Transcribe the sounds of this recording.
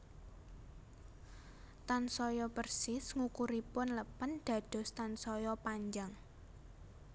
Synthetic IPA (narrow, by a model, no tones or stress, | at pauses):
t̪ansɔjɔpərsɪsŋukuɾipʊnləpənɖ̪̥ä̤d̪̥ɔ̤st̪ansɔjɔpaɲd͡ʒaŋ